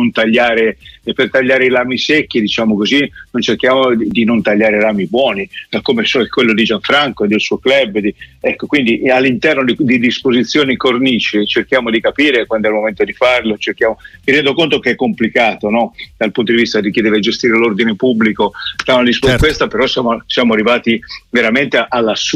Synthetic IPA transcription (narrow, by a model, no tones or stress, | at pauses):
nont̪aʎːaːɾepert̪aʎːaːɾeilaːmisekːid̪it͡ʃaːmokozinont͡ʃerk̟jaːmod̪inont̪aʎːaːɾelaːmibwɔːniakːomesokːwelːod̪id͡ʒaɱfɾaŋkoed̪ːelsuːoklɛbd̪iɛkːokwind̪ialːint̪ɛrnod̪id̪id̪ispozit̪sːjoːnikorniːt͡ʃet͡ʃerk̟jaːmod̪ikapiːɾekwand̪ɛlmoment̪od̪ifarlot͡ʃerkjaːmomiɾjɛnd̪okont̪okeɛkːomplikaːt̪onɔd̪alpunt̪od̪ivist̪ad̪ik̟ːid̪ɛːved͡ʒest̪iːɾelord̪inepubːlikot̪amad̪ispoakwest̪apeɾɔsjaːmosjaːmoarːivaːt̪iveɾament̪eʔalːas